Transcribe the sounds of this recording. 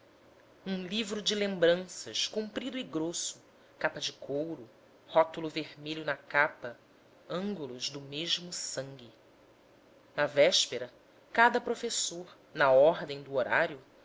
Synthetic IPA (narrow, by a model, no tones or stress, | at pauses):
ũlivɾʊd͡ʒɪlẽmbɾɐ̃sɐ̰ʃkũmpɾid̪ʊiɡɾosʊ̥ | kapɐd͡ʒɪkʰowɾʊ | hɔt̪ulʊveɾmeʎʊnɐkapɐ | ɐ̃ŋɡulʊzd̪ʊmeʒmʊsɐ̃ŋɡʲi | nɐvɛʃpeɾɐ | kad̪ɐpɾofesoɾ | nɐɔɾd̪ẽj̃d̪ʊoɾa̰ɾjʊ